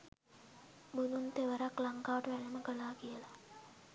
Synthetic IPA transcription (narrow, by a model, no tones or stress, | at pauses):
bud̪unt̪eʋəɾaklaŋkaːəʈəʋænəməkəlaːkijəla